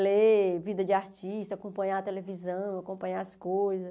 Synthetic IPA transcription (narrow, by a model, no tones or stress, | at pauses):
levid̪ɐd͡ʒɪaɾt͡ʃiʃt̪ɐaːkõmpɐ̃ɲaɐt̪elevizɐ̃w̃akõpɐ̃ɲaɐskojzɐ